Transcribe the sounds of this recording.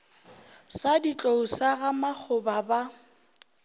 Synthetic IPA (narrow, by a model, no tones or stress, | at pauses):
sadit͡ɬʼousaɣamak͡xʰʊbaba